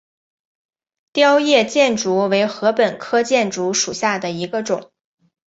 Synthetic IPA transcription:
t̪jɑ˥ʊjɛ˥˧t͡ɕjɛ˥˩nʈ͡ʂu˧˥we˧˥ɪxɤ˧˥pə˨˩nkʰɤ˥t͡ɕjɛ˥˩nʈ͡ʂu˧˥ʂu˨˩ɕja˥˩d̪ə˩i˧˥ɡə˧ʈ͡ʂʊ̰˨˩˦ŋ

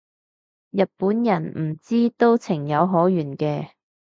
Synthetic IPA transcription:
jɐ˨t̚puː˨˥njɐ˨˩nm̩˨˩t͡siː˥t̪o˥wt͡sʰɪ˨˩ŋjɐ˨˧wɦɔː˨˥jyː˨˩nkɛː˧

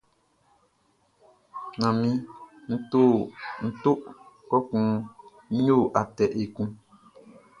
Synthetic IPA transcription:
nã˨mĩ˦ | n̩˦to˦˨n̩˨to˦ʔkɔ˦kũ˦ | ɲo˦˨ʔa˨tɛ˨ʔe˨kũ˦

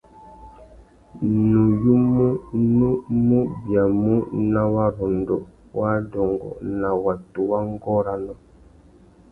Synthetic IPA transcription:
nu˨ju˦mu˦nu˦mu˦bja˨mu˦na˦wa˦ɾɔ˨ndɔ˨ | wa˦dɔ˨ŋɡɔ̰˨na˨wa˨tu˨wa˦ŋ˦ɡɔ˦ɾa˦nɔ˦

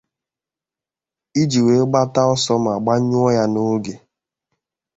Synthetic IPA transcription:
i˦d͡ʒi˨we˨˦ɡ͡ba˦ta˦ɔ˦sɔ˦m̩˨a˨ɡ͡ba˦ɲʊ˦ɔ˦ja˦no˦ɡe˨

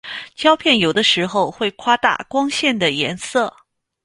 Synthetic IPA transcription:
t͡ɕjɑ˥ʊpʰjɛ˥˩njo˨˩ʊd̪ə˦ʂɻ̩˧˥xo˥˧ʊxwe˥˩ɪkʰwa˥t̪a̰˥˩kwɑ˥ŋɕjɛ˥˩nd̪ə˩jɛ˧˥nsɤ˥˩

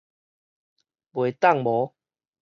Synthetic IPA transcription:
bwe˨t̪a˥˨ŋbɔ˨˦

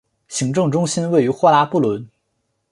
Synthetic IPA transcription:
ɕi˧˥ŋʈ͡ʂɤ˥˩ŋʈ͡ʂʊ˥ŋɕi˥nwe˥˩ɪy˧˥xwɔ˥la˧˥pu˥˩lwə˧˥n

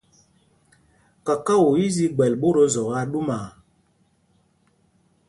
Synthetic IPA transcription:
ka˨ka˦wo˨i˦zi˦ɡ͡bɛ˨lɓo˦ɾo˦zɔ˨ɣa˦ɗu˦ma˨

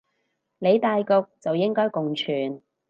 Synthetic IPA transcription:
le˨˧jt̪aː˧jkʊ˧k̚t͡sɐ˨wjɪ˥ŋkɔː˥jkʊ˨ŋt͡ʃʰyː˨˩n

